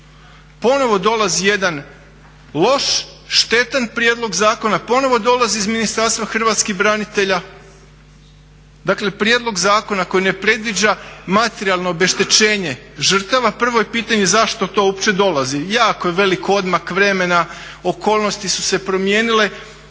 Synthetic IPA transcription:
po̞no̞ʋo̞d̪o̞lazije̞d̪an | lo̞ʃʃt̪e̞t̪anpɾʲjeːd̪lˠo̞ɡzaːko̞napo̞no̞ʋo̞d̪o̞laziːzminist̪aɾst̪ʋaxr̩ʋat̪skixbɾanit̪e̞ʎa | d̪akle̞pɾijeːd̪lˠo̞ɡzaːko̞nako̞jine̞pɾe̞d̪ʋid͡ʑamat̪eɾialˠno̞obe̞ʃt̪e̞t͡ɕe̞ːɲe̞ʒr̩t̪aʋapr̩ʋojepiːt̪aɲe̞zaʃt̪o̞t̪o̞opt͡ʃe̞d̪o̞lˠazijaːkojeʋe̞liko̞d̪makʋɾe̞me̞nao̞ko̞ːlˠno̞st̪isu̥se̞pɾo̞mje̞ːnile̞

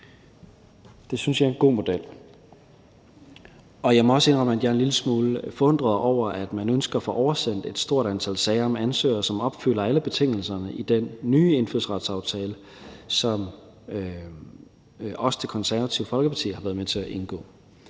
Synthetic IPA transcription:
d̥e̝synsjɑ̈ɪɐe̝nɡ̥o̝̰ːmo̝d̥el̰ | ɒ̽jɑ̈ɪmɒ̽ɒ̽səe̝nʁɒ̽məæd̥jæɐenliləsmuːləfɒ̽ɔ̽n̰d̥ʁɐðˠʔɒʊ̰ɐʔæd̥mænønsɡ̥ɐfɔ̽ʔɒʊɐsen̰d̥e̝d̥sd̥o̝ɐ̰d̥ænt͡sʰælsɛːɪɐmænsø̰ːɐsɒ̽mɒ̽b̥fylɐæləb̥e̝t͡sʰe̝ŋ̰l̩sɐnəʔid̥enːyːe̝nfyð̰ˠsʁɑ̈d̥sɑ̈ʊt͡sʰɛːlə | sɒ̽m | ɒ̽sə̥t͡sʰe̝kʰɒ̽nsæɐʋæt͡sʰiʊfɒ̽lɡ̥əpʰɑ̈t͡sʰḭːhɑʋæːɐðˠmet͡sʰe̝æʔe̝nɡ̥ɔ̰̽ː

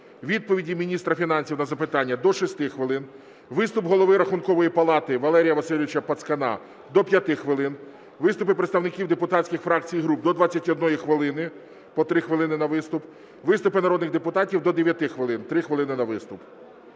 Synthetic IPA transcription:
ʋʲid̪̚pɔʋʲidʲimʲinʲist̪ɾɐfʲinɑnʲsʲiwnɐzɐpɪt̪ɑnʲːɐd̪ɔʃɔsʲt̪ɪxʋɪlˠɪn | ʋɪst̪ʊpɦɔlˠɔʋɪɾɐxʊnkɔʋɔjipɐlˠɑt̪ɪʋɐlˠɛɾʲijɐʋɐsɪlʲiʋʲɪt͡ʃɐpɐt̪skɐnɑ̰ | d̪ɔpʲjɐt̪ɪxʋɪlˠɪn | ʋɪst̪ʊpɪpɾet̪st̪ɐwnɪkʲiwd̪epʊt̪ɑtʲt͡ssʲkʲɪxfɾɑk̚t͡sʲijɦɾup̚d̪ɔd̪ʋɑt͡sʲːɐtʲɔd̪nɔjixʋɪlˠɪnɪ | pɔt̪ɾɪxʋɪlˠɪnɪnɐʋɪst̪ʊp | ʋɪst̪ʊpɪnɐɾɔd̪nɪɣd̪epʊt̪ɑtʲiwd̪ɔd̪eʋʲjɐt̪ɪxʋɪlˠɪnt̪ɾɪxʋelˠɪnɪnɐʋɪst̪ʊp

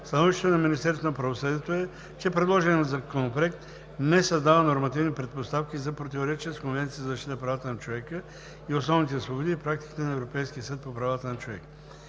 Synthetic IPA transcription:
st̪ɐnɔviʃt̪ɛt̪onɐminist̪ɛɾsonɐpɾɐvosəd̪iɛt̪oɛ | t͡ʃɛpɾɛd̪lˠɔʒɛnɛnzɐkonoplɛkt̪ | nɛsɐzd̪avənoɾmɐt̪ivnipɾɛt̪̚post̪afkizɐpɾot̪ivoɾɛt͡ʃiəskonvɛnt̪sijəzɐzəʃt̪it̪əpɾavat̪ənɐt͡ʃovɛkə | iosnɔvnit̪ɛsvˠobod̪iːpɾak̚t̪i̥ki̥t̪ɛnɐɛvɾopɛjskijəsət̪̚popɾɐvat̪ənɐt͡ʃovɛk

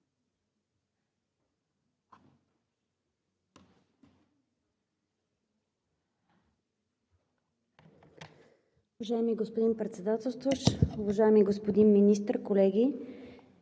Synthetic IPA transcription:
uvɐʒaɛmiɡospod̪inpɾɛt̪sɛd̪at̪ɛlˠst̪voʃʊvɐʒaɛmiɡospod̪inminis̬t̪əɾkolɛɡʲi

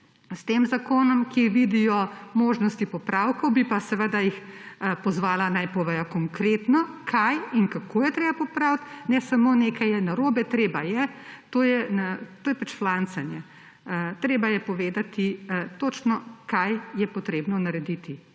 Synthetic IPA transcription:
st̪eːmzakoːnɔmkiʋid̪ijɔmoːʒnɔst̪ipɔpɾawkɔwbipasɛʋəd̪ajix | pɔzʋaːlanajpɔʋɛjɔkɔŋkɾet̪nɔkʰajinkakʰoːjɛt̪ɾeːbapɔpɾawt̪nɛsamoːneːkajɛnaɾoːbɛt̪ɾeːbajɛt̪oːjɛnat̪oːjɛpat͡ʃflant̪sanjɛ | t̪ɾeːbajɛpɔʋeːd̪at̪it̪ot͡ʃnɔkajjɛpɔt̪ɾeːbnɔnaɾɛd̪it̪i

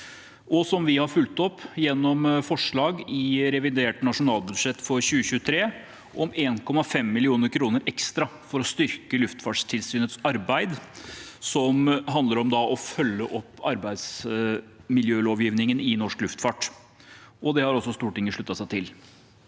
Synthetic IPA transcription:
ʔɔsɔmʋɪhɑɾfʉlt̪ɔpːjɛnːɔmfɔʂɭɑːɡɪɾɛʋɪd̪eːʈnɑʂʊnɑːlbʉd̪ʂɛt̪ːfɔɾɕʉːəçʉːət̪ʰɾeː | ʔɔmeːnkɔmːɑfɛmːɪlɪuːnəɾkʰɾuːnəɾɛkst̪ɾɑfɔɾɔst̪ʏɾkəlʉft̪fɑːʈʂt̪ʰɪlsyːnət̪sɑɾbæɪd̪sɔmɦɑnd̪əɾɔmd̪ɑʔɔfœlːəʔɔpːɑɾbæɪd̪s | mɪljøːloːʋjiːʋnɪŋənɪnɔʂklʉft̪fɑːʈ | ʔɔd̪ɛhɑɾɔsːɔst̪uːɾəʈɪŋːəʂɭʉt̪ːɑsæɪt̪ʰɪl

